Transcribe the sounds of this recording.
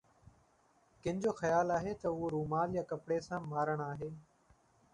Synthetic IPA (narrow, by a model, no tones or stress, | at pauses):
kɪ̃nɪd͡ʑoːxɐjaːlaːɦeːt̪ɐʊoɾuːmaːljaːkɐpɽesãːmaːɾəɽ̃aːɦeː